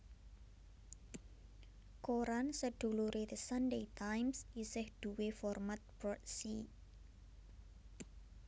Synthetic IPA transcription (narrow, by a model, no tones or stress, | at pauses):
koɾansəd̥ṳluɾʔeðəsanɖejt̪ajmsisɪhd̪̥uwefɔrmat̪̚bɾɔt̪si